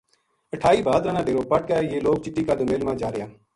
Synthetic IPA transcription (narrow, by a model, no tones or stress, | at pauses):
əʈʰaːiːbaːd̪ɾaːnãːɖeːɾoːpəʈ̚kaːeːjeːloːk̚t͡ʃɪɗiːkaːd̪ʊmeːlmãːd͡ʒaːɾəjaː